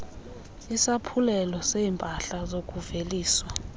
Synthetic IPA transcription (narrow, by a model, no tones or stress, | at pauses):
isapʰulɛlɔseːmpʼaɬazokʼuveliːswa